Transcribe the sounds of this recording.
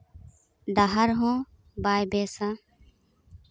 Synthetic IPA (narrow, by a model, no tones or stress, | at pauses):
ɖ̪aɦɐɾɦõː | baːjbeːsã